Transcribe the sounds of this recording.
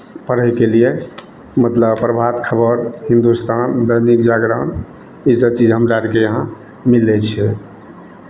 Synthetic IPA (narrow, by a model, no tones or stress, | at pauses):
pəɾəɦkelije | mət̪ləbpɾəbʱat̪kʰəbəɾɦĩnd̪ust̪ʰand̪əjnikd͡ʒaɡɾan | isət͡ʃid͡ʒɦəmɾaɾikeəɦã | milːɛt͡ʃʰɛ